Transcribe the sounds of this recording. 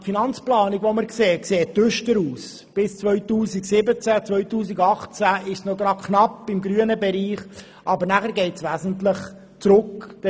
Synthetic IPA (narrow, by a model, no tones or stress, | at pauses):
finɑnt͡splɑːnɪɡvoməɾkseːkseːt̪ʏʃtəɾuːs | b̥ɪst͡svœʏtuːsiɡsɪbət͡sæt͡sʋœʏtuːsiɡɑχt͡sæɪʃsnoɡɾɑdkʰχnɑpːɪmɡɾyənəbɛɾiːχ | ʔɑbəɾnæχəɾɡɛɪtsʋæːzən̩t̪lɪχ | t͡sɾʊkd̥